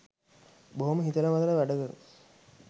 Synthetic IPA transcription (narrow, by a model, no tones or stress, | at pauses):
boɦoməɦit̪ələmad̪ələʋæɖəɡ̪ə